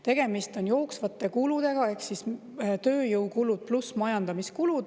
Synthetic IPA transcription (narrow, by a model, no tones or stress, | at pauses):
t̪e̞ɡ̥e̞mist̪o̞njo̞ːksvɑt̪ːˑe̞kulud̪̥e̞ɡ̥ɑe̞ksis | t̪ø̞ːjɤwkulud̪̥̚plusmɑjɑnd̪̥ɑmiskulud̪̥